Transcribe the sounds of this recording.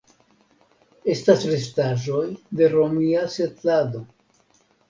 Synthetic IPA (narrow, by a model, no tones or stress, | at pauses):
e̞stasɾe̞staʒo̞jde̞ɾo̞miase̞tlad̪o̞